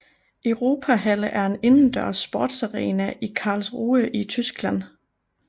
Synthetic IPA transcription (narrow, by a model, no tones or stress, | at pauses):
ʔœʊʁo̝ːpʰæɦæləʔæɐe̝ne̝nn̩d̥œɐ̰sb̥oːd̥sɑʁɛ̰ːnæʔikʰɑ̈ːlsʁuːəʔit͡sʰysɡ̥læn̰